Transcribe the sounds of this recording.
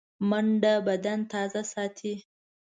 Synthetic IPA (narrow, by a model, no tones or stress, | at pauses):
maɳɖabad̪ant̪ɑzasɑt̪ʰi